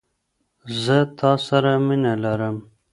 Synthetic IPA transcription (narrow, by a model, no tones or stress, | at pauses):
zət̪ʰɑsaɾaminalaɾəm